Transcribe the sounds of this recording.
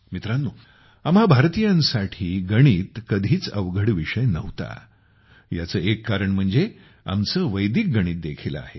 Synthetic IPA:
mit̪ɾanːuː | amɦabʱaɾt̪ijãnsaʈʰiːɡəɽ̃iːt̪kəd̪ʱiːt͡səʋɡʱəɽʋiʂəjnəʋt̪a̰ | jat͡səːekːaɾəɳm̤əɳd͡ze | a̰mt͡səːʋəjd̪iːk̚ɡəɽ̃iːt̪̚d̪ekʰilə̰a̰ɦe

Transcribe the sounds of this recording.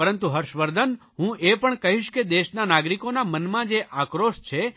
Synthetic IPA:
əɾənt̪uɦəɾʃʋəɾd̪ʱən | ɦũʔepəɳkəɦiʃked̪eʃnanaɡɾikonamənmãd͡ʒeʔakɾoʃt͡ʃʰe

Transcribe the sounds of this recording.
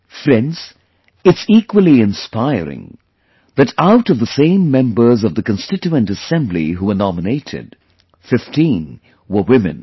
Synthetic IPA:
fɾɛ̃ndz̥ | ɨtsikwəlˠiɨ̃nspaɪɹɪ̰̃ŋ | ðɨɾaʊɾʌvðəsẽɪ̃mːɛ̃mbə˞zʌvðɨkɨ̃nstɪt͡ʃuɨ̃ntɨsɛ̃mblḭɦuənɑməneɪɾɪ̰d̥ | fɪftĩn | wə˞wɪmɨ̰̃n

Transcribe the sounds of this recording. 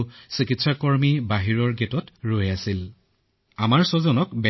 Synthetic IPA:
sikitsakɔɹmibaɦiɹɔɹɡetɔtɹojasil | amaɹsɔzɔnɔkbɛ

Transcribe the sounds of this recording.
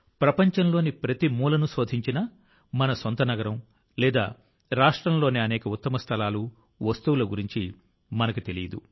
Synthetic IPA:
pɾɐpɐɲt͡ʃɐmlo̞ːnipɾɐt̪imuːlɐnuso̞ːd̪ʱiɲt͡ʃinɐ | mɐnɐsont̪ɐnɐɡɐɾɐm | lɛːd̪a̰ː | ɾaːʂʈɾɐmlo̞ːniɐnɛːkɐut̪ːɐmɐst̪ʰɐlaːlu | ʋɐst̪uwulɐɡuɾiɲt͡ʃi | mɐnɐkut̪elijɐd̪u

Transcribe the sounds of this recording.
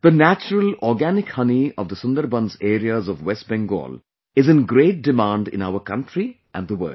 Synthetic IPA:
d̪̥ənæt͡ʃəɾəlɔːɾɡænɪkhʌniɔʋd̪əsʊ̃nd̪əɾbʌ̃nzeːɾiəzɔʋwɛsʈ̚bɛ̃ŋɡɔ̰ːl | ɪzɨ̃nɡɾeːʈ̚ɖɪmãːɳɖɪ̰̃naʊəkʌ̃ɳʈɾi | ʔæ̃nd̪əwə̰

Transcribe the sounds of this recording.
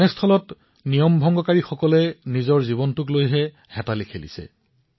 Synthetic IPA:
ɛstʰɔlɔt | nijɔmbʱɔŋɡɔkaɹixɔkɔlɛnizɔɹziβɔntʊklojɦɛ | hɛtalikʰelḭsɛ̰

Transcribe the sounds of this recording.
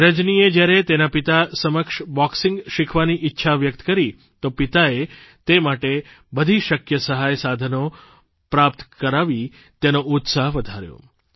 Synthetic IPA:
ɾəd͡ʒnied͡ʒjaɾet̪enapit̪asəməkʃbɔksɪŋɡʃɪkʰʋaniʔɪtːʃʰaʋjək̚t̪ə̥kəɾi | t̪opɪt̪ae | t̪emaʈe | bəd̪ʱiʃəkjəsəɦajsad̪ʱəno | pɾapt̪kəɾaʋi | t̪enout̪saɦʋəd̪ʱaɾjõ̰

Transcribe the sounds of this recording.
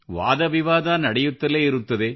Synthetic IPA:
ʋa̰ːðɐʋɪʋaːðaːnɐɽɐjɯt̪ːɐleːɪɾɯt̪ːɐðeː

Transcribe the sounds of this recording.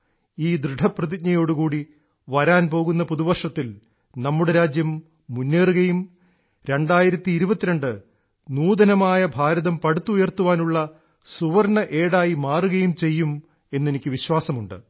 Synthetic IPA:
iːd̪ɾɨɖʱɐprɐðikɲɐjo̞ːɽukuːɽi | ʋɐɾaːnpo̞ːɣunːɐpuðuʋɐrʂɐt̪ːil | nɐmːuɽeɾaːd͡ʑjɐmː | unːe̞ːruɣɐjum | ɾe̞ɳɖaːjiɾɐt̪ːiːɾubɐt̪ːiɾɐɳɖɨ | nuːd̪ɐnɐmaːjɐbʱaːɾɐðɐmpɐɽut̪ːuujɐrt̪ːuʋaːnuɭːɐ | suʋɐrɳɐʔe̞ːɽaːjimaːruɣɐjumt͡ɕe̞jːum | e̞nːe̞nikʲːɨʋiɕwaːsɐmuɳɖɨ̰

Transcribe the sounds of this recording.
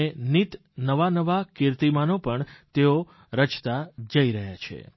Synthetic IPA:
enit̪ | nəʋanəʋakɪɾt̪imanopəɳt̪eo | ɾət͡ʃt̪ad͡ʒəiɾəɦjat͡ʃʰḛ

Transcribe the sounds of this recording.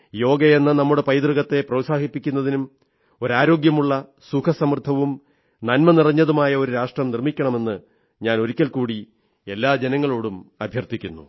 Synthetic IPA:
jo̞ːɡɐjenːɐnɐmːuɽe̞pɐjd̪rɨɣɐt̪ːe̞prɐʋsaːɦipːikʲːun̪ːɐðinum | o̞ɾaːɾo̞ːɡjɐmuɭːɐ | sukʰɐsɐmrt̪ʰːɐʋum | nɐnmɐnirɐɲːɐðumaːjɐo̞ɾuɾaːʂʈrɐmnirmikʲːɐɳɐme̞nːɨ | ɲaːno̞ɾikʲːɐlkuːɽi | e̞lːaːd͡ʑe̞nɐŋːɐɭoːɽumɐbʱjɐrt̪ikʲːunːṵ

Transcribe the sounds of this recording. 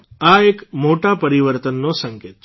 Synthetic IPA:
aekmoʈapəɾiʋəɾt̪ənːosəŋket̪

